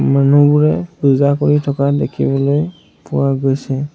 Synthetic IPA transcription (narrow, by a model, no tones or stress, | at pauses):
manubuɹɛbuzakoɹitʰɔkadekʰḭbɔloj | pʊwaɡojsɛ